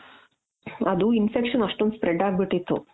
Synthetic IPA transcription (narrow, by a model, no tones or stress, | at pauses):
ɐd̪uinfekʂɐnɐʂʈond̪spɾeɖaːɡ̚biʈːit̪ːṵ